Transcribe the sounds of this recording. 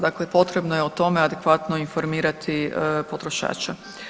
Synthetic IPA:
d̪akle̞po̞t̪ɾe̞bnojeot̪o̞me̞ad̪ekʋat̪no̞info̞ɾmiːɾat̪ʰipo̞t̪ɾoʃa̰ːt͡ʃa

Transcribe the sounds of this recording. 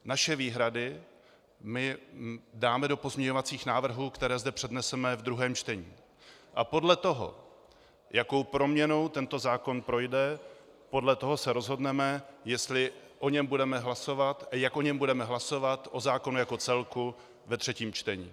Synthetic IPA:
naʃɛviːɦɾadɪ | mɪ | daːmɛdo̞po̞zmɲɛɲo̞vat͡siːxnaːvr̩ɦuːkt̪ɛɾɛːzdɛpr̝̥ɛdnɛsɛmɛvd̪ɾuɦɛːmt͡ʃt̪ɛɲiː | ʔapo̞dlɛt̪o̞ɦo̞̰ | jako̞wpɾo̞mɲɛno̞wt̪ɛnt̪o̞zaːko̞npɾo̞jdɛ | po̞dlɛt̪o̞ɦo̞sɛɾo̞zɦo̞dnɛmɛjɛst̪lɪʔo̞ɲɛmbudɛmɛɦlaso̞vat̪ajakʔo̞ɲɛmbudɛmɛɦlaso̞vat̪ʔo̞zaːko̞nujako̞t͡sɛlku | vɛt̪r̝̥ɛciːmt͡ʃt̪ɛɲḭː

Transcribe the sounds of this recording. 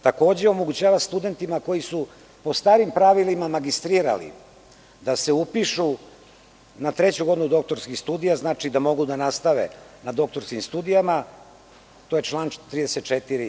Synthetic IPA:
t̪ako̞ːd͡ʑeo̞mo̞ɡut͡ɕaːʋast̪ud̪e̞nt̪imako̞jisu | po̞st̪aːɾimpɾaʋilimamaɡist̪ɾiːɾa̰lḭ | d̪ase̞upiʃu | nat̪ɾe̞t͡ɕuɡod̪inud̪o̞k̚t̪o̞ɾskixst̪uːd̪ijaznaːt͡ʂid̪amo̞ɡud̪anast̪aʋḛnad̪o̞k̚t̪o̞ɾskimst̪ud̪ijama | t̪ojet͡ʃlˠaːnt̪ɾid̪eset̪̚t͡ʃet̪iɾi

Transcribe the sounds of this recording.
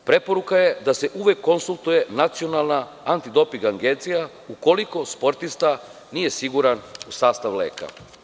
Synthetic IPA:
pɾe̞po̞ɾukajed̪ase̞ʔuʋe̞kːo̞nsulˠt̪uje̞nat̪sio̞nalˠnaː | nt̪id̪o̞piŋɡaŋɡent̪sija | uko̞liko̞spo̞ɾt̪ist̪a | nije̞siɡuɾanusaːst̪aʋlḛːka̰

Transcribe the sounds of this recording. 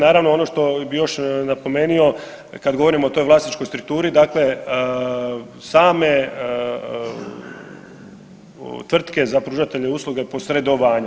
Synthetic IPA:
naːɾaʋnoo̞noʃt̪o̞bijo̞ʃnapo̞me̞nio̞ | kad̪ɡo̞ʋoɾimoːt̪o̞jʋlˠaːsit͡ʃko̞jst̪ɾuk̚t̪uːɾid̪akle̞ | saːme̞ | t̪ʋr̩t̪ke̞zapɾuːʒat̪e̞ʎeuːslˠuɡepo̞sɾe̞d̪oʋaːɲa

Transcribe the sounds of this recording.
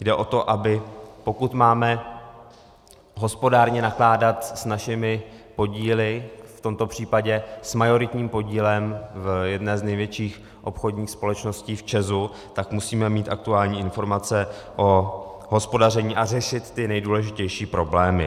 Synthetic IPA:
jdɛʔo̞t̪o̞ʔabɪpo̞kut̪maːmɛ | ɦo̞spo̞daːɾɲɛnaklaːdat̪snaʃɪmɪpo̞ɟiːlɪft̪o̞mt̪o̞pr̝̥iːpaɟɛsmajo̞ɾɪt̪ɲiːmpo̞ɟiːlɛmvjɛdnɛːznɛjvjɛt͡ʃiːx | ʔo̞̰pxo̞dɲiːxspo̞lɛt͡ʃno̞sciːft͡ʃɛzu | t̪akmusiːmɛmiːt̪ʔa̰k̚t̪uaːlɲiːɪnfo̞ɾmat͡sɛ | ʔo̞ɦo̞spo̞darɛɲiːʔarɛʃɪt̪ːɪnɛjduːlɛʒɪcɛjʃiːpɾo̞blɛːmɪ̰

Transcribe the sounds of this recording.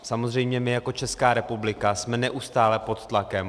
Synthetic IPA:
samo̞zr̝ɛjmɲɛmɪjako̞t͡ʃɛskaːɾɛpublɪkasmɛnɛʔust̪aːlɛpo̞t̪t̪lakɛm

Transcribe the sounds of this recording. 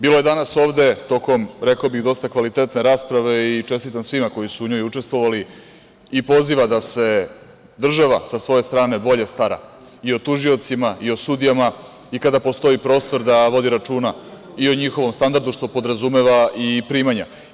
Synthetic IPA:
biːlo̞je̞d̪anaso̞ːʋd̪e̞t̪o̞ko̞mɾe̞kaobiɣd̪o̞st̪akʋalit̪e̞t̪ne̞ɾaːspɾaʋe̞it͡ʃe̞st̪it̪ansʋimako̞jisuːɲo̞jut͡ʂe̞st̪ʋo̞ʋali | ipo̞ziʋad̪ase̞ | d̪r̩ʒaʋasasʋo̞jest̪ɾaːne̞bo̞ʎest̪aɾa̰ | io̞t̪uʒio̞t̪simaio̞sud̪ijama | ikad̪apo̞st̪o̞ipɾo̞ːst̪o̞ɾd̪aʋo̞d̪iɾat͡ʂuːna | io̞ɲixo̞ʋo̞mst̪and̪aɾd̪uʃt̪o̞po̞d̪ɾazume̞ʋaipɾiːmaɲa

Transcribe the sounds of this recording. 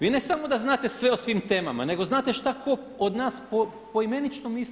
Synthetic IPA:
ʋiːne̞samo̞d̪aznaːt̪e̞sʋe̞osʋiːmt̪e̞ːma̰ma̰ne̞ɡo̞znaːt̪e̞ʃt̪akʰo | od̪naːspo | po̞ime̞nit͡ʃnomiːs

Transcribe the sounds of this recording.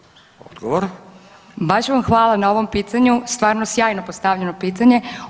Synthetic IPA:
od̪ɡoʋoɾ | baʃʋamxʋaːlˠanao̞ʋo̞mpiːt̪aɲust̪ʋaːɾnosjaːjno̞post̪aʋʎeno̞piːt̪aɲe̞

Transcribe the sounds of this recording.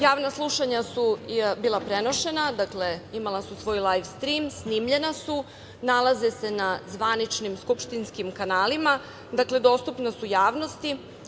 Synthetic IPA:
jaːʋnaslˠuʃaɲasubiːlˠapɾe̞no̞ʃe̞nad̪akle̞imalasusʋo̞ːjlˠajfst̪ɾiːmsniːmʎe̞nasu | nalˠaze̞se̞nazʋanit͡ʃnimskupʃt̪inskimkanaːlima | d̪akle̞d̪o̞st̪upnasujaːʋno̞st̪i

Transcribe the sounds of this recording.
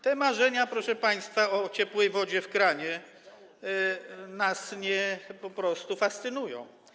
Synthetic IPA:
t̪ɛmaʐɛɲapɾɔʂɛpaj̃st̪faɔt͡ɕɛpwɛjvɔd͡ʑɛfkɾaɲɛ | nasɲɛpɔpɾɔst̪ufast̪sɘnujɔ̃w̃

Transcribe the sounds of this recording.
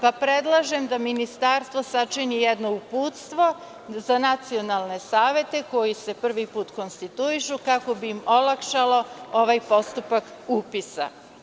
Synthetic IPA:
papɾe̞d̪lˠaʒe̞md̪aminist̪aːɾst̪ʋosat͡ʃinijed̪no̞upuːt̪st̪ʋo̞ | zanat̪sio̞nalˠne̞saːʋe̞t̪e̞ko̞jise̞pr̩ʋipuːt̪ko̞nst̪it̪uiʃukako̞biːmo̞lakʃalo̞o̞ʋajpo̞st̪upak | uːpisa̰

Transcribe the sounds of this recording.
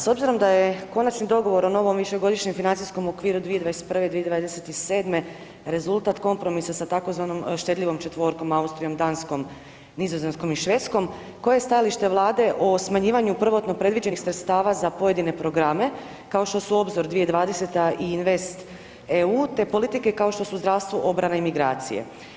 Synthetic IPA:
so̞bziɾo̞md̪aje̞ko̞nat͡ʃnid̪o̞ɡo̞ʋo̞ɾo̞no̞ʋo̞mʋiʃe̞ɡo̞d̪iʃɲemfinant̪isko̞mokʋiːɾud̪ʋijed̪ʋaese̥t̪pɾr̩ʋe̞d̪ʋied̪ʋad̪eset̪iseːd̪me̞ | ɾe̞zulˠt̪at̪ko̞mpɾo̞misasat̪ako̞zʋano̞mʃt̪e̞d̪ʎʲiʋo̞mt͡ʃe̞t̪ʋo̞ɾko̞maust̪ɾijo̞md̪ansko̞m | nizoze̞nsko̞miʃʋe̞t̪sko̞m | ko̞jejest̪ajaliʃt̪e̞ʋlˠaːd̪e̞ʔosmaɲiːʋaɲupr̩ʋo̞t̪no̞pɾe̞d̪ʋid͡ʑe̞nixsɾet̪st̪aːʋazapo̞je̞d̪ine̞pɾo̞ɡɾame̞ | kao̞ʃt̪o̞suo̞bzoɾd̪ʋije̞d̪ʋaːd̪e̞se̞t̪aiinʋe̞st̪ | euːt̪e̞po̞lit̪ike̞kao̞ʃt̪o̞suzd̪ɾaʋst̪ʋuʔo̞bɾanaimiɡɾa̰ːt̪sḭjḛ

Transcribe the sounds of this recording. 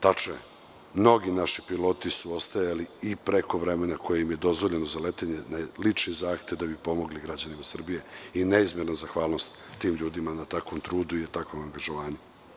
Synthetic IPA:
t̪at͡ʃoe | mno̞ɡinaʃipilo̞ːt̪isuo̞st̪ajaliːpɾe̞ko̞ʋɾeme̞nako̞jejimje̞d̪o̞zʋo̞ʎe̞no̞zalet̪eɲenalit͡ʂnizaːxt̪e̞ʋd̪abipo̞mo̞ɡliɡɾad͡ʑanimasr̩bije̞ineizmjeɾnozaxʋaːlˠno̞st̪ːiːmʎuːd̪imanat̪akʋomt̪ɾuːd̪uit̪akʋomaŋɡaʒoʋaːɲe

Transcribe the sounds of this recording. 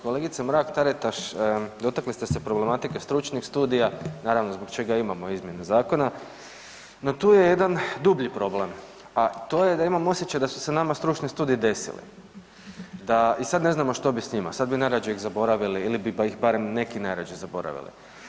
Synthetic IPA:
ko̞le̞ɡit̪semɾaːkt̪aɾet̪aʃd̪o̞t̪aklist̪ese̞pɾo̞ble̞mat̪ikest̪ɾut͡ʃnixst̪uːd̪ijanaːɾaʋnozbo̞ɡt͡ʃe̞ɡaimamo̞izmje̞nezaːko̞na | not̪uːje̞je̞d̪and̪ubʎipɾo̞ble̞m | at̪o̞jed̪aimamo̞sʲje̞t͡ʃajd̪asu̥senamast̪ɾut͡ʃnist̪uːd̪iid̪e̞sḭlḭ | d̪aisad̪ne̞znamoʃt̪o̞bisɲima̰sad̪̚binajɾad͡ʒeiɣzabo̞ɾaʋiliilibibaixbaɾe̞mne̞kinajɾad͡ʒizabo̞ɾa̰ʋḭlḭ

